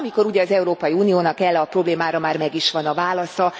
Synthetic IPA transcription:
miko̞ɾuɟɛɒzɛuɾoːpɒjiuːnijoːnɒkɛlːɛɒpro̞bleːmaːɾɒmaːrmɛɡiʃʋɒnɒvaːlɒsɒ

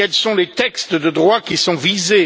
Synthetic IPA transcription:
ɛlsɔ̃let̪ɛkst̪d̪əd̪ʁwakʲisɔ̃vize

